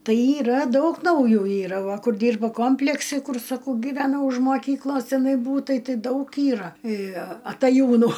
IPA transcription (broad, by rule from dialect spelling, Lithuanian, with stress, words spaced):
ˈtɐɪ iːˈrɐ ˈdɐʊk nɐʊˈjuː ˈiːrɐ ˈʋɐ ˈkʊr ˈdʲiːrbɐ ˈkoːmʲpʲlʲɛksʲɪ ˈkʊr sɐˈkɐʊ ɡʲiːʋʲɛˈnɐʊ ʊʃ moːˈkʲiːklˠoːs tʲɪˈnɐɪ ˈbuːtɐɪ ˈtɨ dɐʊk ˈiːrɐ ɐtɐˈjuːnʊ